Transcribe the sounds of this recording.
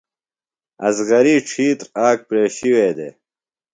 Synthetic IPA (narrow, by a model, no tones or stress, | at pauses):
ɐ̰zɣɐɾiːʈ͡ʂʰiːt̪ɾaːk̚pɾeːɕiweːd̪ḛː